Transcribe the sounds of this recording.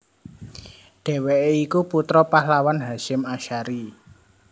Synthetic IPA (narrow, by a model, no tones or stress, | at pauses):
ɖ̥e̤weʔeikuput̪ɾɔpahlawanɦaʃɪmaʃaɾi